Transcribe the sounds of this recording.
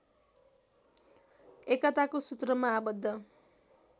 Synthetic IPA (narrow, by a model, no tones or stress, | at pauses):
ekʌt̪akosut̪rʌmaːbʌd̪ʱːʌ